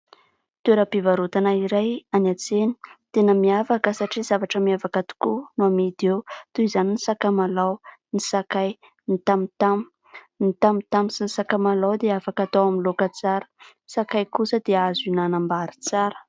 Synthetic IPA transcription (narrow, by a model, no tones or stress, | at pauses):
t̪ueɾəpivaɾut̪anaiɾajanat͡seni̥t̪enəmiafakəsaʈ͡ʂizavaʈ͡ʂəmiavakat̪u̥kunuamid̪ewt̪uizaninisakamalawnisakaj | nit̪amit̪am | nit̪amit̪amisinisakamalawd̪eafakat̪awamilokət͡saɾə̥ | sakajkusəd̪̥eazinanambaɾi̥t͡saɾə̥